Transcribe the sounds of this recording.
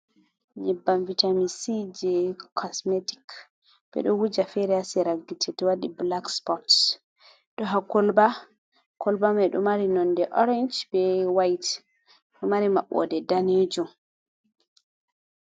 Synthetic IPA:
ɲɛbːamvitamisid͡ʒɛkʰɔsmeti̥k | bɛ̰ɗɔwud͡ʒafɛɾɛasɛɾaɡːitʰɛtɛwaɗiblakspɔt | ɗɔɦakɔlba | kʰɔlbamɛɗɔmaɾinɔndɛʔɔɾɛnd͡ʒbɛwajt | ɗɔmaɾima̰ɓːɔ̰dɛdaned͡ʒum

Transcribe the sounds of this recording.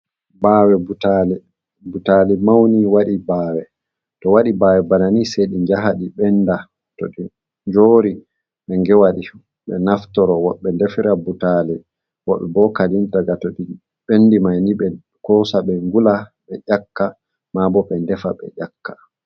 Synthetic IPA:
baːwɛbutalɛ | butalimawniwaɗibaːwɛ | tɔwaɗibawɛbananisɛɗiɲd͡ʒaɦaɗiɓɛnːda | tɔɗi | ɲd͡ʒoːɾi | ɓɛŋɡɛwaɗi | ɓɛ̰naftɔɾɔwɔɓːɛndɛfiɾabutalɛ | wɔɓːɛbɔkalintaɡatɔɗi | ɓenːdimajniɓɛ | kɔsaɓɛŋɡulaɓɛʔakːa | mabɔɓɛndɛfaɓɛ̰ʔakːḁ

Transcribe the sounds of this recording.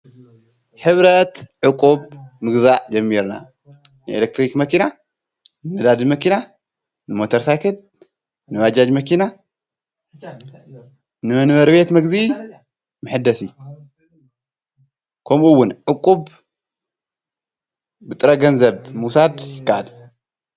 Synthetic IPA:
ħɨβɾɐt̪ʕɨkʼːubmɨɡzaʔd͡ʒɐmːiɾna̰ | nɨelek̚t̪ɾikmɐkʰina | nɨmɐd̪ad̪imɐkina | nɨmo̞t̪ʰɐɾsajkʰɐl | nɨβad͡ʒad͡ʒmɐkʰina | nɨmɐnβɐɾbe̞t̪mɐɡzi | mɨħɨd̪ːɐsi | kʰɐmuwːʊnʕʊkʼːub | bɨt̪ʼɨɾɐɡɐnzɐβmusad̪jɪkːaʔad̪

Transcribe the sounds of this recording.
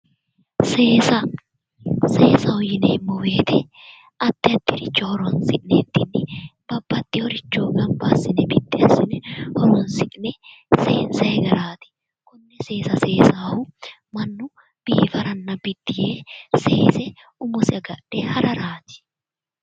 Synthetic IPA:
seːsɐ | seːsɐwʊjɪnɛmɔwe̞ːt̪ɛ | ʔɐt̪ːɪɐt̪ːɪɾɪt͡ʃːɔhɔɾɔɐnsɪʔɪneːd̪ːɪnːɪb̥ɐbːɐt̪ːɪjɔɾɪt͡ʃːoːɡɐmbasɪnɛbɪd̪ːɪɐsɪnɛhɔɾɔnsɪʔnɛ | seːnsɛjɛɡɐɾaːt̪ɪ̥ | kʊnːɛse̞ːsɐse̞ːsaːwʊ | mɐnːʊ | b̥ḭːfɐɾɐnːɐbɪd̪ːɪjeːseːsɛ | ʊmʊsɪɐɡɐᶑɛhɐɾɐɾaːd͡ʒ̪ɪ̥

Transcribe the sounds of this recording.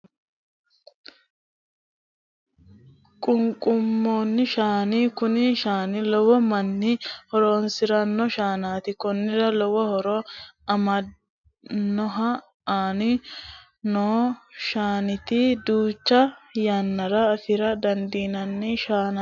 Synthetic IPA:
kʼʊŋkʼʊmːoːnːɪʃaːnikʊnɪʃaːnɪlɔwɔmɐnːɪhɔɾoːnsɪɾɐnːɔʃaːnaːt̪ɪkɔnːɪɾɐlɔwɔhɔɾɔɐmɐ | nːɔɦɐ | aːnɪ | noːʃaːnɪt̪id̪uːt͡ʃːɐjɐnːɐɾɐːfɪɾɐd̪ɐnd̪iːnɐnːɪʃaːna

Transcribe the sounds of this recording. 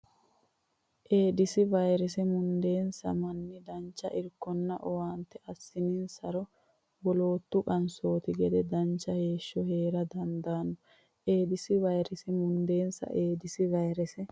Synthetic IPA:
ʔe̞ːd̪ɪsɪvɐjɾɛs̬ɛmʊnd̪e̞ːnsɐ̰mɐnːɪd̪ɐnt͡ʃːɐ̰ʔɪɾkːɔnːɐʔɔwaːnt̪ːɛʔɐsːɪninsɐɾɔ | bɔlo̞ːt̪ːʊkʼɐnso̞ːt̪ɪɡɛd̪ɛd̪ɐnt͡ʃːɐhe̞ːʃːɔhe̞ːɾɐd̪ɐnd̪aːnːɔ | ʔe̞ːd̪ɪsɪvɐjɾɛsɪmʊnd̪e̞ːnsɐ̰ʔe̞ːd̪ɪsɪvɐjɾɛsɛ

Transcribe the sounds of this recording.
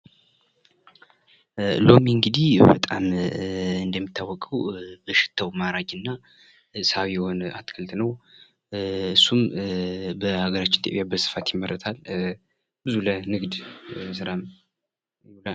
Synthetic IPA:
lo̞miɨŋɡɨd̪ihbə̰t̪ʼam | ɨnd̪əmːit̪ʰːawːɔkʼəwbəʃɪ̥t̪ʰːəwmaɾad͡ʒɨnːa | sawjɛho̞na̰t̪kʰəlt̪ʰʼnəw | ɨsːum | bəhaɡəɾat͡ʃːɪnt̪ʰə̰βjabəsɨ̥fat̪jɪmːərːət̪ʰal | b̥ɨzulənɨɡd̪sɨɾam | la

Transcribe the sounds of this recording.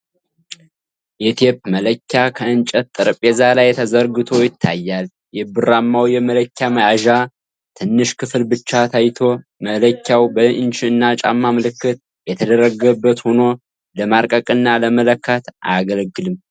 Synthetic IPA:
jɛt̪ʰepmələkʲːakʰəɨnt͡ʃʼət̪t̪ʼːɨɾpʼːezalajt̪ʰəzəɾɡɨt̪ʰo̞jɪt̪ʰːajːal | jɛbɨɾamːawjɛmələkʲʰːaməaʒa | t̪ʰɨnːɨʃkʰɨflbɨt͡ʃːat̪ʰajt̪ʰo̞ | mələkʰʲːawbəɨnt͡ʃiɨnːat͡ʃʼa̰mːaməlɨkːɨt̪̚ | jɛt̪ʰəd̪əɾəɡəbːət̪hono̞ | ləmaɾkʼəkʼɨnːaləmələkːət̪ʔaɡəlɡɨlɨm

